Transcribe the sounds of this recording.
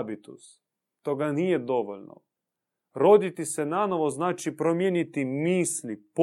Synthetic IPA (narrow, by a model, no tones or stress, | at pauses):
bit̪ṵs | t̪oɡaniːjed̪oʋoʎʲno̰ | ɾod̪it̪isenanoʋoznaːt͡ʃipɾomjenit̪imiːslip